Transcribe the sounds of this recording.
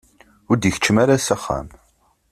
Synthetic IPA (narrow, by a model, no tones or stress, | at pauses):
ʊɾd̪jəçə̥t͡ʃːəmaɾasæχːa̰m